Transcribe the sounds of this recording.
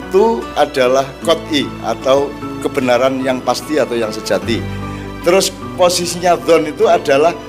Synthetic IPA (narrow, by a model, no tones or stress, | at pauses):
t̪uaɖ̥alahkɔt̪̚ia̰t̪awkəb̥ənaɾanjaŋpast̪iat̪awjaŋsəd̥ʒ̥a̤t̪i | t̪əɾʊs | posisiɲad̪ɔnit̪uad̥a̤lah